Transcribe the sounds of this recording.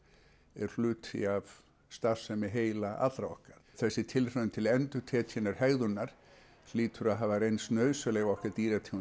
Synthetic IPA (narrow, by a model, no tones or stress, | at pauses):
ɛɾ̥l̥ʏːt̪ḭav | st̪afsɛmɪɦeːjlaʔa̰t̪lɾaɔ̰hkaɾ̥θɛsːɪt̪ʰɪlr̥œːmt̪ʰɪlɛnt̪ʏt̪ʰɛːt̪ʰɪnːaɾ̥hɛɣðʏnːaɾ̥ | liːt̪ʏɾaðɦaːvarejnst̪nœːɥsalɛɣɔhkaɾt̪iːɾat̪ʰi